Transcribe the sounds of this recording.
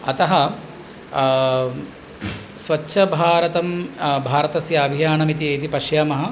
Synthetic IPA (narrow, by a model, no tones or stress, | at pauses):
ɐt̪ɐɦɐ | sʋɐtːʃʰɐbʱaːɾɐt̪ɐmbʱaːɾɐt̪ɐsjaːbʱijaːɳɐmit̪ieːt̪ipɐʃjaːmɐɦɐ̆